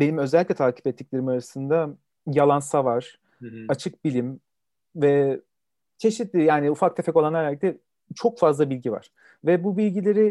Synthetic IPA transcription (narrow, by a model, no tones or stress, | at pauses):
be̞nimø̞zɛlʲːiclʲɛt̪ʰaːcʰi̥pɛt̪ːiclʲe̞ɾimaɾasɯnd̪a | jalˠansavaɾ̥ | at͡ʃʰɯk̚bilʲim | vɛ | t͡ʃʰe̞ʃit̪lʲijaːniufak̚t̪ʰɛpʰɛko̞lˠanaɾlʲic̚t̪ʰɛ | t͡ʃʰo̞kfazlˠabilʲɟiva̰ɾ̥ | vɛbubilʲɟilʲe̞ɾɪ